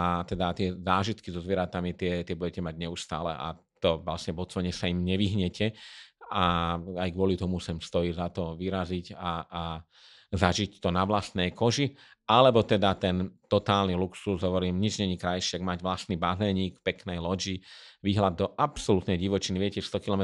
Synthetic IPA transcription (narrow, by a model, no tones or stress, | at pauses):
at̪ɛd̪at̪ɪɛzaːʒit̪kizɔzʋɪɛɾat̪amit̪ɪɛt̪ɪɛbuɟɛcɛmaɟɲɛust̪a̰ːlɛ̰ʔa̰ | t̪ɔʋlasɲɛbɔt͡sɔaɲɛsaimɲɛʋiɦɲɛcʰɛaajɡʋʊɔlit̪ɔmusɛmst̪ɔizat̪ɔʋiɾazicaː | zaʒict̪ɔnaʋlast̪nɛjkɔʒi | alɛbɔt̪ɛd̪at̪ɛnt̪ɔt̪aːlniluksuzɦɔʋɔɾiːmɲid͡ʒɲɛɲikɾajʃɪaɡmaɟʋlasniːbazɛɲiːkpɛknɛjlɔd͡ʒiʋiɦlad̪ːɔʔapsɔlut̪nɛjɟiʋɔt͡ʃiniʋɪɛcɛst̪ɔkilɔmɛ